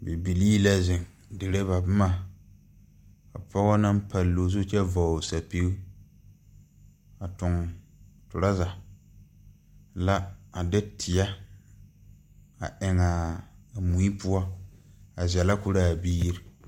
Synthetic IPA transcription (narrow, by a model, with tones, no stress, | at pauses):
bɛ˨bi˨liː˦la˦zɪ˨ŋ | dɪ˨ɾe˦βa˨bmaː˦˨ | a˨pɔ˦ɣɔ˦na˦m˦pa˨lːo˨zʊ˦t͡ʃɛ˦vɔ˨sa˨pi˦u˦ | a˨tʊ˨ŋ | tʊ˨ɾa˦za˨ | la˦a˨dɪ˦tʰɪ˨ja˦ | a˨ʔɪ˨ŋa˨mu˨i˦pu˦a˦ | a˨zɛ˨la˦kʊ˦ɾa˦˨biː˦ɾi˨